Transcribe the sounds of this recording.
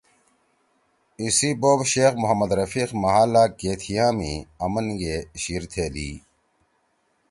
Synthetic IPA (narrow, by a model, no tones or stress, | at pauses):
isiːboːbɕeːxmʊɦɐmɐd̪ɾɐfiːxmɐɦaːlaːkeːt̪ʰijãːmḭːɐmənɡeɕiːɾt̪ʰeːlḭː